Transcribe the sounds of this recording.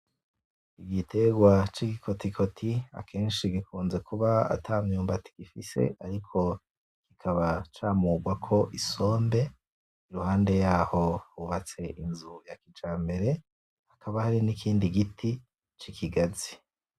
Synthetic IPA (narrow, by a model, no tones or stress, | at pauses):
iɡitʰe̞ɡwat͡ʃiɡikʰo̞tikʰo̞tʰia̰kʰe̞ːnʃiɡikʰuːnze̞kuβaa̰tʰaːmɲuːmbati̥ɡ̥ifise̞̰aɾikʰo̞ | kikʰaβat͡ʃaːmuːɡwakʰo̞ʔiso̞ːmbe̞ | iɾuhaːnde̞jaːho̞uβat͡se̞ʔinzujakid͡ʒaːmbe̞ɾe̞ | hakʰaβahaɾinikʰiːndiɡiti | t͡ʃikʰiɡazi